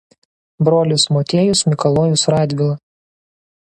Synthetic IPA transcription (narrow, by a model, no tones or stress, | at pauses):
bɾoːlʲʊsmoːt̪ʲeːjʊsmʲɪkɐlˠoːjʊsɾɑːd̪ʲʋʲɪlˠɐ